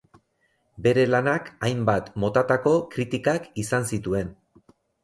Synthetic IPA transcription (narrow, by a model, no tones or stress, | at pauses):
be̞ɾe̞lanakajmbat̪mo̞t̪at̪ako̞kɾit̪ikakisansit̪ue̞n